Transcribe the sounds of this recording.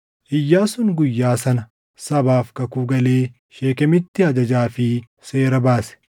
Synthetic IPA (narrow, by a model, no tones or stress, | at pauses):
ʔɪjːaːsʊnɡʊjːaːsɐnɐ | sɐbaːfkɐkuːɡɐle̞ː | ʃe̞ːkɛmɪt̪ːɪɐd͡ʒɐd͡ʒaːfɪ | se̞ːɾɐbaːsɛ̥